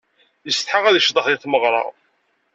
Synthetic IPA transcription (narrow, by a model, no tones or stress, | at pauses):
jəst̪ħaʁæðəʃd̪ˤəχðiθməʁɾˤɑ̰